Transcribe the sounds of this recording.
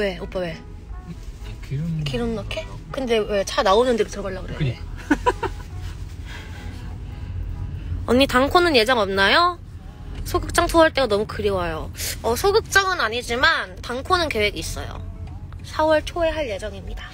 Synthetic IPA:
we̞op͈awe̞ | kiɾɯnnʌkʰe | kɯnde̞we̞t͡ɕʰanaonɯndeɡotɯɾʌɡʌɭːaɡɯɾeɯ | ʌ̰ɲːitaŋkʰonɯnje̞d͡ʑʌŋʌmnajo | sʰoɡɯk̚t͡ɕ͈aŋtʰoaɭt͈e̞ɡanʌmukɯɾiwajoʌsʰoɡɯk̚t͡ɕ͈aŋɯnaɲid͡ʑimantaŋkʰonɯnke̞we̞ɡiːs͈ʌ̰jo̰ | sʰawʌɭt͡ɕʰoe̞ɦaɭje̞d͡ʑʌŋimɲida

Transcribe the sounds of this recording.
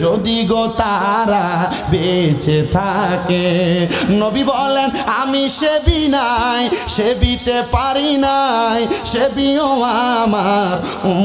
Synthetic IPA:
d͡ʒod̪iɡot̪aɾa | bet͡ɕet̪ʰake | nobibɔlenamiʃebinajʃebit̪epaɾinajʃebioamaɾ

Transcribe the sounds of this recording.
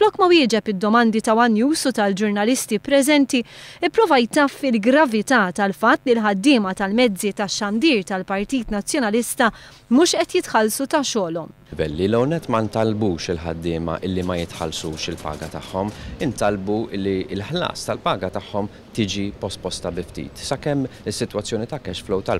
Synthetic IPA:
flɔkːmɐwɪːd͡ʒɛpɪd̪ːɔmɐnd̪it̪ɐwɐnjuːsut̪ɐld͡ʒʊɾnɐlɪst̪ipɾɛzɛnt̪iɪpːɾɔːvɐjt̪ɐːfɪlɡɾɐvɪt̪ɐt̪ɐlfɐt̪ːlilħɐd̪ːɪːmɐt̪ɐlmɛd͡zːit̪ɐʃːɐnd̪iːɾt̪ɐlpɐɾt̪iːt̪nɐt͡sːjɔnɐlɪst̪ɐ | muːʃʔɛt̪jɪt̪ħɐlsut̪ɐʃɔːlɔm | vɛlːilɛwnɛt̪ːmɐnt̪ɐlbuːʃɪlħɐ̰d̪ːɪːmɐ̰ʔɪlːimɐjɪt̪ħɐ̰lsuːʃɪlpɐ̰ːɡɐt̪ɐħːɔmɪnt̪ɐlbuɪlːiɪlħlɐ̰ːst̪ɐlpɐːɡɐt̪ɐħːɔm | t̪iːd͡ʒipɔst̪̚pɔst̪ɐbɪft̪ḭːt̪sɐkɛmːɪsːɪt̪wɐt͡sːjɔːnit̪ɐkɛʃflɔwt̪ɐl

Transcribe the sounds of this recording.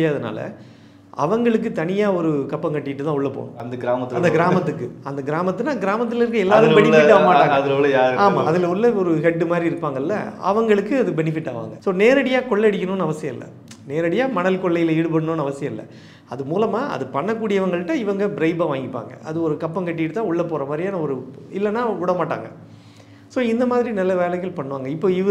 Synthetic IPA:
ɪjaːɐðɐna̰ːlɐ̰ | ɐ̰ʋɐŋɡɐɭɯkːɯt̪ɐnɪjaːɔɾɯkɐpːɐŋkɐʈːɪjɪʈːɯt̪ãːʊɭːɐpo̰ːñ̰ɐnd̪ɐɡɪɾaːmɐt̪ːɐnd̪ɐɡɪɾaːmɐt̪ːɯkːɯɐnd̪ɐɡɪɾaːmɐt̪ːɯnaːɡɪɾaːmɐt̪̬ːɯlɪɾkɯɛlːaːɾɯ̃bɛnɪɪʈːaːɐmaːʈːaːŋɐɐðɪɐlɐjaːɾaːmaːɐðɪlɐʊɭːɐɔɾɯɦɛɖːɯmaːd̪ɾiɪɾɯpːaːŋɡɐlːɐ̰ɐ̰ʋɐŋɡɐɭɯkːɯɐðɯbɛnɪfɪʈːaːʋa̰ːŋɡɐsoːneːɾɐɽɪjaːkɔɭːɐɽɪkʲːɐnoːnɯɐʋɐsɪjɐ̃ɪ̰lːɐ̰ | neːɾɐɽɪjaːmɐɳɐlkɔɭːɐjɪleːɽɯp̬ɐɳɯnoːnːɯɐʋɐsɪjɐ̃ɪlːɐ̰ | ɐðɯmuːlɐmaːʔɐ̰ðɯpɐɳːɐk̬ːuːɽɪjɐʋɐŋɡɐɭɯʈːãːɪʋɐŋɡɐbɪɾɐɪbaːʋaːŋɡɪpːa̰ːŋɡɐ̰ʔɐ̰ðɯɔɾɯkɐpːɐŋkɐʈːɪɪʈɯt̪ːãːʊɭːɐpːoːɾɐmaːd̪ɾijaːnɐɔɾɯɪlːɐnːaːʊɽɐmaːʈːa̰ːŋɡɐ | soːɪnd̪ɐmaːðɪɾinɐlːɐʋeːlɐɣɐlpɐɳːɯʋaːŋɡɐɪpːoːɪʋ

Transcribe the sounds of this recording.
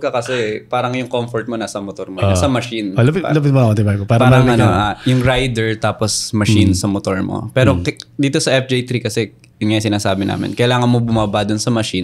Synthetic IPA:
kɐkɐsɛpaːɾɐŋjʊŋkomfoɹt̪̚mo̞naːsɐmot̪oɾmonasɐmɐʃinlɐpɪtlɐpɪt̪̚moot̪ɪbajkopaːɾpɐaːɾɐŋɐnoʔajʊŋɾajd̪ɛɹt̪aːposmɐʃinsɐmot̪o̞ɹmo̰pɛːɾod̪iːt̪o̞sɐʔɛf̚d͡ʒejt̪ɾikɐsɛ | jʊnŋajsɪnaːsaːbɪna̰ːmɪ̰nkɐjlaːŋɐnmobʊmaːbad̪onsɐmɐʃin

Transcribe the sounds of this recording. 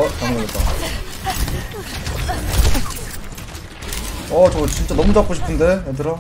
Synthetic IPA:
t͡ɕaŋɡʌɡet͈a | ʌt͡ɕʌt͡ɕint͡ɕ͈anʌmud͡ʑap̚k͈oɕʰi̥pʰɯnde̞et̬ɯɾʌ

